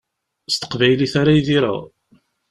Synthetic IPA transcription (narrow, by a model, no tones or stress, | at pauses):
st̪ə̥qvæjliθaɾajðiɾa̰ʁ